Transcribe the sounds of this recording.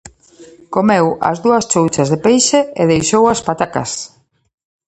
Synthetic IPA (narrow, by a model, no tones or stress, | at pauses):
komewɐ̰zðuɐst͡ʃowt͡ʃɐzðepejʃeeðejʃowɐspat̪akɐ̰s